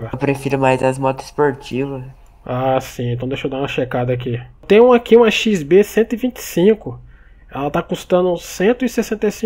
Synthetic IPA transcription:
ɐpɾefiɾʊmajzɐzmɔt̪ɪspoɾt͡ʃivɐs | asĩẽt̪ɐ̃w̃d̪eʃowd̪aũmɐʃekad̪ɐakit̪ẽj̃ũakiũmɐʃizbesẽnt̪ʊivĩt͡ʃɪ̥sĩkʊ | ɛlɐt̪akust̪ɐ̃nʊsẽnt̪ʊisesẽnt̪ejsĩ

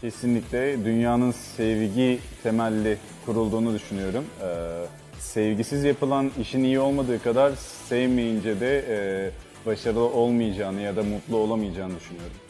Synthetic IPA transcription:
cʰe̞sinlʲicʲlʲɛd̪ynjaːnɯnsɛvɟit̪ʰe̞mælʲːi | kʰuɾulˠd̪uːnud̪yʃynyjo̞ɾumɯ | sɛvɟisizjapɯlˠaniʃinijio̞lˠmad̪ɯːkad̪aɾsɛvmejind͡ʒɛd̪ɛ | baʃaɾɯlˠɯo̞lˠmɯjad͡ʒaːnɯjad̪amut̪lˠuo̞lˠamɯjad͡ʒaːnɯd̪yʃynyjo̞ɾum

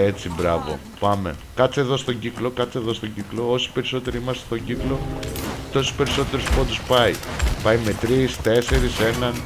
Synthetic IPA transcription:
e̞t͡sibɾɐvo̞̰ | pɐme̞̰kɐt͡se̞ðo̞st̪o̞ɟiklo̞kɐt͡se̞ðo̞st̪oɟiklo̞o̞si̥pe̞ɾiso̞t̪e̞ɾiimɐst̪est̪o̞ɟiklo̞t̪o̞su̥spe̞ɾiso̞t̪e̞ɾuspo̞t̪uspɐipɐjme̞t̪ɾist̪e̞se̞ɾise̞nɐn

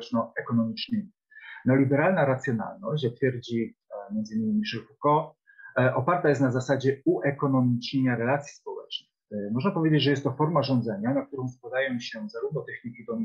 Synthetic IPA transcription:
t͡ʂnɔɛkɔnɔmʲit͡ʂnɘmʲi | nɔlʲibɛɾalnaɾat̪sʲjɔna̰lnɔɕt͡ɕjak̚t̪fʲjɛɾd͡ʑimjɛnd̪zɨinːmʲimʲiʂɛlfukɔ | ʔɔpaɾt̪ajɛst̪nazasad͡ʑɛuʔɛkɔnɔmʲit͡ʂɲeɲaɾɛlat̪sʲji̥spɔwɛt͡ʂnɘ | mɔʐnapɔvʲed͡ʑed͡ʑʐɛjɛst̪ːɔfɔɾmaʐɔ̃nd̪zɛɲanak̚t̪uɾɔ̃w̃skwad̪ajɔ̃w̃ɕɛzaɾuvnɔt̪ɛxɲikʲid̪ɔmʲ

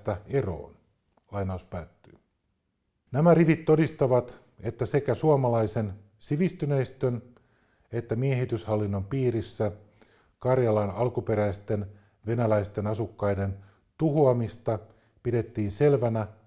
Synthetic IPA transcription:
t̪æe̞ro̰ːn | lɑjnɑuspæːt̪ːyː | næmæɾiʋit̪ːo̞dist̪ɑʋɑt̪ | e̞t̪ːæse̞kæsuɑmɑlɑjse̞n | siʋist̪ynejst̪ø̞n | e̞t̪ːæmieɦit̪yshɑlːinːo̞mpiːɾisːæ | kɑrjɑlɑnɑlkupe̞ɾæist̪e̞n | ʋe̞nælæist̪e̞nɑsukːɑjde̞n | t̪uɦoɑmist̪ɑ | pide̞t̪ːiːnse̞lʋænæ

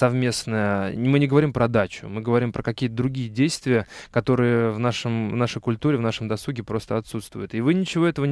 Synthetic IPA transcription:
sɐvmʲe̞snəjəmɨnʲɪɡəvɐɾʲimpɾəɐd̪at͡ɕʊ̰mɨɡəvɐɾʲimpɾəkɐkʲijət̪əd̪ɾʊɡʲijədʲejst̪vʲɪjəkɐt̪o̞ɾɨjəvnaʂəmvnaʂəjkʊlʲt̪uɾʲɪvnaʂəmd̪ɐsuɡʲɪpɾo̞st̪əɐt̪sut̪st̪vʊ̰jʊt̪ɪvɨnʲɪt͡ɕɪvo̞ɛt̪əvə

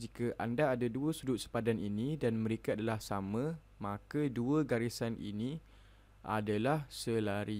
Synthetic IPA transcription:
d͡ʒikaʔandaːdaduəsudʊt̪̚sə̥padaninĩdanmə̃ɾekaadalahsamə̃ | mãkəduəɡaɾisanḭni | ʔa̰dalahsəlaɾi

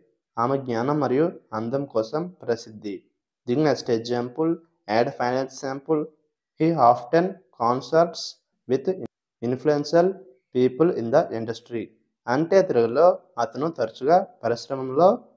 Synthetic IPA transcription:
aːmɐɡɲaːnɐmːɐɾijuɐnd̪ɐmkɔːsɐmpɾɐsid̪ːi | d͡ʒiɡnesʈeaːmpul | ɛːɖpʰɐjnɐlsaːmpul | hiːaːfʈɐnkaːnsɐɾʈs | ʋit̪ | inpʰluensɐl | piːpɐlind̪ɐʔiɳɖɐsʈɾi | ɐɳʈeːt̪iɾɐɡɐlo̞ː | ɐt̪ɐnut̪ɐɾɐt͡ʃuɡaːpɐɾiʃɾɐmɐmlo̞ː

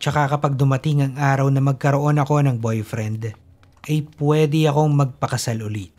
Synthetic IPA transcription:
t͡ʃɐkakɐpɐɡ̚d̪ʊmɐt̪ɪŋɐŋʔaːɾɐwnɐmɐɡ̚kɐɾo̞ʔo̞nɐko̞nɐŋbo̞jfɾɛnd̪ | ʔɐjpwɛd̪ɪɐko̞ŋmɐɡ̚pɐkɐsalʊlit̪̚

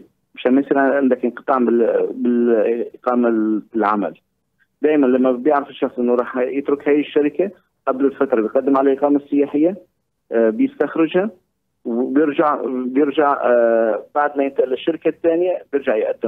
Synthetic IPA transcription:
bʃæmæsiɾʕʔɪnd̪ækənqɨ̥t̪ˤɑʕmbbɪqɑːmalʕamæ̰l | d̪æːjmænlæmːæbjaʕɾəfɪʃːɑxsˤʔɪnːuɾˤɑːħjət̪ɾʊkhæːjʃːaɾɪka | ʔæblɪlfat̪ɾˤɑbjqɑd̪ːəmʕalalʔɪqɑːmasˤːɪjaħɪjːa | bjəst̪axɾɪʒha | wbjɪɾʒaʕbjɪɾʒaʕ | baʕd̪mæjɪnt̪ʔlɪʃːaɾɪkat̪ːæːnjabjɪɾʒaʕjʔæ̰d̪ːɪm

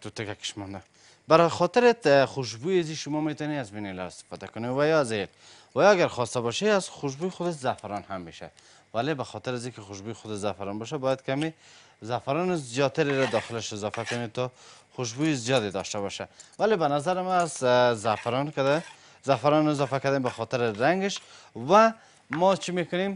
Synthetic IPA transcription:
t̪ut̪ɪkaki̥ʃmɔnd̪a | baɾxɔt̪ɪɾet̪xʊʃ̬bujaziʃʊmɔmet̪ɔneazminelɔ̰ɪst̪ɪ̥fɔd̪akʊnewajɔazel | wajɔaɡaɾxɔst̪abɔʃeaz̥xʊʃ̬bujxʊd̪aʃzafaɾɔnhamːeʃa̰ | walebaxɔt̪ɪɾazikɪxʊʃ̬bujxʊd̪aʃzafaɾɔnbɔʃ̬abɔjad̪̚kame | zafaɾɔnɪzijɔt̪aɾɪɾad̪ɔxɪlɪʃɪzɔfakʊnet̪ɔxʊʃ̬bujɪzijɔd̪ed̪ɔʃt̪aβɔʃawalebanazaɾɪmaːzzafaɾɔnkad̪a | zafaɾɔnɪzɔfakad̪embaxɔt̪ɪɾɪɾaŋɡɪʃwa | mɔt͡ʃʰimekʊnem

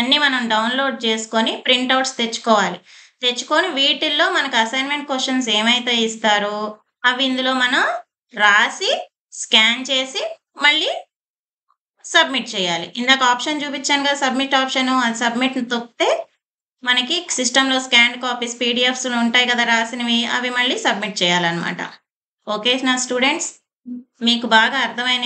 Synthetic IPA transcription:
ɐnːimɐnɐmɖɐwnlo̞ːɖ̚t͡ʃe̞ːsu̥konipɾiɳʈɐwʈst̪e̞t͡ʃːu̥kɔːʋaːlit̪e̞t͡ʃːu̥koːniʋiːʈilːo̞ːmɐnɐkuɐsɐjnme̞ɳʈ̚kosʂɐns̬eːmɐjt̪e̞ːist̪aːɾu | ɐʋind̪ulo̞ːmɐnɐm | ɾaːsi | skaːnt͡ʃe̞ːsi | mɐɭːiː | sɐb̚miʈ̚t͡ʃɛːjaːlḭʔind̪aːkaːpʂɐnt͡ʃuːpit͡ʃːɐːnkɐd̪sɐbmiʈːaːpʂɐnuɐd̪isɐbmiʈnit̪okt̪e̞ː | mɐnɐkisisʈɐmlo̞ːskaːɳɖkaːpiːspiːɖiepslouɳʈaːjkɐd̪aːɾaːsiniʋiɐ̰ʋimɐɭːisɐbmiʈ̚t͡ʃɛːjaːlɐnɐma̰ːʈɐ̰ | oːkeːsnaːsʈuːɖe̞ɳʈs | miːkubaːɡaːɐɾt̪ʰɐmɐjnɐ

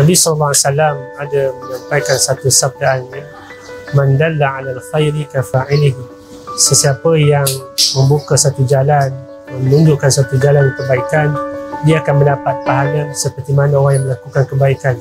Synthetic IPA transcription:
nabisɔləlːɔaasalamadaməɲampajkansat̪usap̚danɲa | mãnd̪alːaʕalaːlxajɾikafaʕɪlɪɦ | səsiapəjaŋmə̃mbukasat̪ud͡ʒalan | mənuɲd͡ʒuʔkansat̪ud͡ʒalandikəbaikandiaːkanmə̃ndapat̪̚paɦalasəpərt̪imanãoɾaŋjaŋməlakukankəbaikan

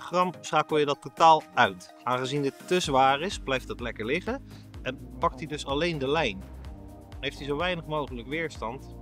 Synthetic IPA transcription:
χrɑmsχaːkəl̩ˠjədɑtːotaːlˠœɥt | aːnχəzinɪttəzʋaːrɪsblɛjftdɑtlɛkəɹlɪχə | ɛnpɑk̚tidɵsɑlejndəlɛjn | ɦejftizowʋɛjnəχmowχələkʋɪːɹstɑnt

